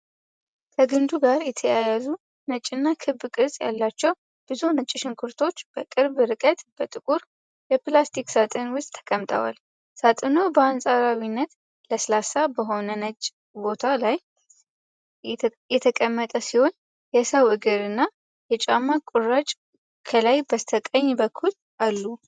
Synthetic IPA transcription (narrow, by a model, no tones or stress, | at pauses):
kʰəɡɨnd̪uɡaɾjɛt̪ʰəjajazu | nət͡ʃʼːɨnːakʰɨbːkʼɨsʼja̰lːat͡ʃːɛw | b̥ɨzunət͡ʃʼːɪʃɪŋkʰɨɾt̪ʰo̞t͡ʃːb̥əkʼɨɾbɨɾɨkʼət̪b̥ət̪ʼɨkʼuɾ | jɛplast̪ʰiksat̪ʼɨnwʊst̪ʼʰə̥kʼəmt̪ʼə̰wa̰l | sat̪ʼɨno̞bəansʼaɾawinːət̪ | ləsəlasabəɦo̞nənət͡ʃʼ | bo̞t̪ʰalaj | jɛt̪ʰəkʼəmːət̪ʼəsiho̞n | jɛsəwɨɡɨɾɨnːa | jɛt͡ʃʼamːakʼurat͡ʃʼ | kʰəlajbəst̪ʰəkʼəɲːbəkʰːul | ʔalːu